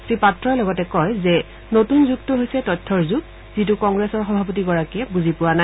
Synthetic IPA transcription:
sɹipatɹɔjlɔɡɔtɛkɔjzɛ | notunzuktuɦojsɛtɔtʰːɔɹzuɡ̚ | zitukɔŋɡɹesɔɹxɔbʱapɔt̬iɡɔɹakiɛbuzipʊwana

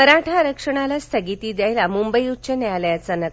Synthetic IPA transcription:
əɾaʈʰaɾəkʂəɽ̃alast̪ʰəɡit̪iːd̪jajlamumbəjut͡ɕənaljat͡sanə

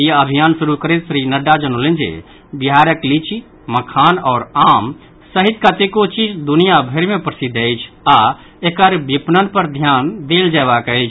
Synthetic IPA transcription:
jeɐbʱijaːnsʊɾukəɾet̪sɾinəɖːad͡ʒənolẽnd͡ʒḛ | bɪɦaːɾəklit͡ʃi | məkʰaːnɔːɾaːm | səɦit̪kat̪ekot͡ʃit͡ʃd̪ʊnijabʱeɾmẽpɾəsid̪eɪt͡ʃʰa | ekəɾbipnənpəɾd̪ʱjaːnd̪eːld͡ʒɛːʋakəit͡ʃʰ

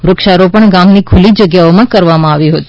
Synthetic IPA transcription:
ɾʊkʃaɾopəɳɡamnikʰʊlid͡ʒəɡjaomãkəɾʋamãaʋiɦot̪i̥

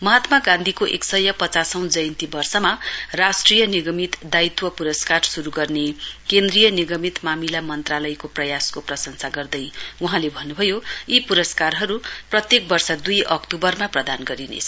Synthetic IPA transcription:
mʌɦat̪maɡãnd̪ʱikoʔeksʌjʌpʌt͡sasʌw̃d͡zʌjnt̪ibʌrsʌmarasʈrijʌniɡʌmit̪d̪ait̪wʌpuɾʌskarsuɾuɡʌrnekend̪rijʌniɡʌmit̪mamilamʌnt̪ralʌjkoprʌjaskoprʌsʌŋsaɡʌrd̪ʌjuɦãlebʱʌnːubʱʌjoipuɾʌskarɦʌɾuprʌt̪jek̚bʌrsʌd̪ujʌkt̪ubʌrmaprʌd̪anɡʌɾinḛt͡sʰʌ

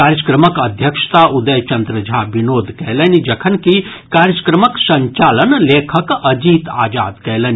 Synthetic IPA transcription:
kaːɾjəskɾɐməkɐd̪ʱjɐkʂt̪aːʔud̪əjt͡ʃɐnd̪ɾɐd͡ʒʱaːbinoːd̪ʱkɛɦlɐnid͡ʒɐkʰɐnki | kaːɾjəskɾəməksɐ̃ɲt͡ʃaːlənleːkʰəkɐd͡ʒiːt̪a̰ːd͡ʒa̰ːd̪kɛjlənʲi

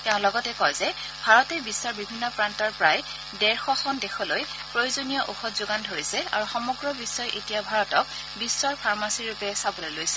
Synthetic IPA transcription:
tɛʊ̃lɔɡɔtɛkɔjzɛ | bʱaɹɔtɛbisːɔɹbibʱinːɔpɹantɔɹpɹaj | dɛɹxɔxɔndexɔloj | pɹojozonijɔʔoxɔtzoɡandʱoɹisɛa̰ɹuxɔmɔɡɹɔbisɔjʔetijabʱaɹɔtɔk̚ | bisːɔɹpʰaɹmasiɹupɛsabolojlojsɛ̥

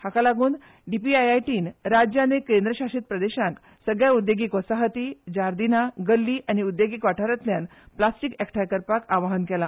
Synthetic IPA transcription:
hakalaɡuːn | ɖipiajajʈiːnɾad͡ʑjanekend̪ɾəɕaʂiːt̪̚pɾəd̪eɕãk | səɡɭjaud̪jeɡiːkɔsaɦət̪iːd͡ʑaɾd̪inaɡəlːiːʔaniud̪ːjoɡiːkʋaʈʰaɾət̪ljanplasʈikɛkʈʰajkəɾpakaʋaɦənkɛla

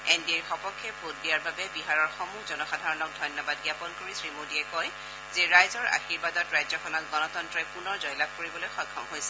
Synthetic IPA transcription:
endiɛɹxɔpɔkʰːɛbʱotdijaɹbabɛbiɦaɹɔɹxɔmuzɔnɔxadʱaɹɔnɔk̚dʱɔjnjɔbad̚ɡjapɔnkoɹisɹimodiɛkɔj | zɛɹajzɔɹa̰xiɹbadɔtɹajzɔkʰɔnɔt̚ɡɔnɔtɔntɹɔɛpunɔɹzɔjlab̚koɹibɔlojxɔjkʰːɔmɦojsɛ̥

